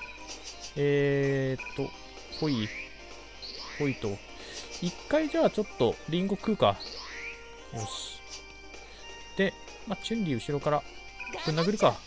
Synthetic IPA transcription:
eːt̪ːo̞ | pʰo̞i | po̞it̪o̞ | ikːaid͡ʑaːt͡ɕo̞t̪ːo̞ɾʲĩŋɡo̞kɯ̟ːka | mes | d̪̥e̞ | mat͡ɕɨ̃nɾʲiɯ̟ɕiɾo̞kaɾa | kɯ̟nːaɡɯ̟ɾɯ̟ka

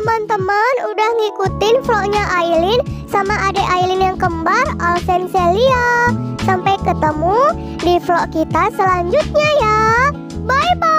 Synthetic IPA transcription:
əmant̪əmanudahŋikut̪ɪnflɔʔɲaʔailɪnsamaʔadaʔailɪnjaŋkəmbaralsɛnseliasampajkət̪əmu | diflɔʔkit̪asəlaɲd͡ʒut̪̚ɲaja | baiba

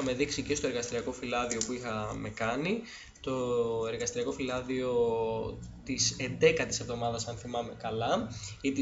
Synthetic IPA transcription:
ɐme̞ðiksice̞st̪o̞eɾɣɐst̪iɾiɐko̞filɐðio̞puixɐme̞kɐni | t̪o̞e̞ɾɣɐst̪iɾiɐko̞filɐðio̞ | t̪ise̞nd̪e̞kɐt̪ise̞vðo̞mɐðɐsɐnθimɐme̞kɐlɐit̪i

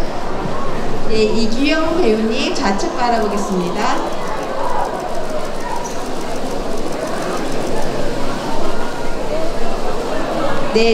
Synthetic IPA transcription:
je̞iɡujʌŋpe̞juɲit͡ɕat͡ɕʰek̚p͈aɾaboɡe̞s͈ɯmɲida | ne̞

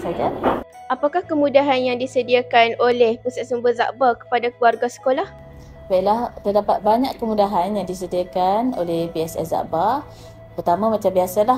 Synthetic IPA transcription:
sad͡ʒa | apakahkəmũdaɦanjaŋdisədiakanolɛhpusasəmbəza̰ʔbakə̥padakəluarɡasə̥kolah | bailaht̪ərdapat̪̚baɲaʔkkəmudaɦanjaŋdis̬ədiakano̰lɛhpiɛsɛ̰sza̰ʔba | pərt̪amãmat͡ʃambiasala

